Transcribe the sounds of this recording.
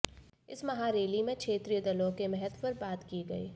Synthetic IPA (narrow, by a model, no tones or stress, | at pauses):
ɪsmɐɦaɾeːlimẽkʰʃeːt̪ɾijəd̪ɐlõkemɛɦɛd̪pɐɾbaːt̪kiɡɐḭː